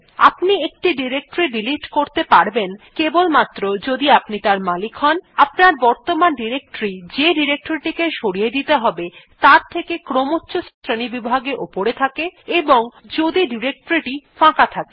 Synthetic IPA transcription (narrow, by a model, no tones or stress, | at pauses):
a̰pniek̚ʈiɖiɾek̚ʈoɾiɖiliʈkoɾt̪epaɾbenkebolmat̪ːɾod͡ʑod̪iapnit̪aɾmalikʰɦɔnapnaɾbɔɾt̪omanɖiɾek̚ʈoɾid͡ʑeɖiɾek̚ʈoɾiʈikeʃoɽijed̪it̪eɦɔbet̪aɾt̪ʰekekɾomotːɕost̪ʰɾenibibʱaɡeʔopoɾet̪ʰakeeboŋd͡ʑod̪iɖiɾek̚ʈoɾiʈifãkat̪ʰake